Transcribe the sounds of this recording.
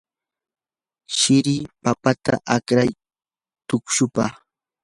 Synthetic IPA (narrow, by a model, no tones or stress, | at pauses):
ʃɪɾɪpapat̪a̰ʔakɾaj | t̪ʊkʃʊpa